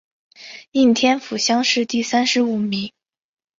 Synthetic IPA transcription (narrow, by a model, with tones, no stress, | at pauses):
i˥˩nt̪ʰjɛ˥nfu˨˩ɕjɑ˥ŋʂɻ̩˥˧t̪i˥˩sa˥nʂɻ̩˧˥u˨˩mi˧˥˦ŋ